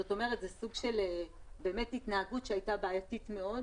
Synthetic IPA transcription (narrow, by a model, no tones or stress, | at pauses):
zoto̞me̞ʁet̪zesuɡʃe̞le | be̞ːme̞titnaaɡutʃeajtabaːjatitme̞o̞d